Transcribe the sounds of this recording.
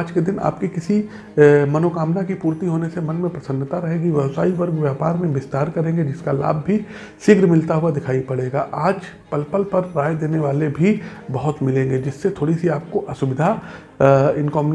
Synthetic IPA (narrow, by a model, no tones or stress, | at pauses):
d͡ʒked̪ɪna̰ːp̚kikɪsi | mɐnoːkaːmnakipuːɾt̪iɦoːnesemɐ̃nmẽpɾɐsə̃nd̪t̪aɾɐɦeːɡiʋjɛʋsaːiʋɐɾɡʋjaːpaːɾmẽbɪst̪aːɾkɐɾẽːŋɡed͡ʒɪskala̰ːbːʱi | sɪɡɾmɪlt̪aɦuad̪ɪkʰaːipɐɽeːɡaʔaːd͡ʒ | pɐlpəlpɐɾːaːjd̪eːneʋaːlebʱibɐɦʊt̪mɪlẽːŋɡed͡ʒɪsːet̪ʰoːɽisiaːp̚koʔɐsʊbɪd̪ʱa | ɪnkɔːm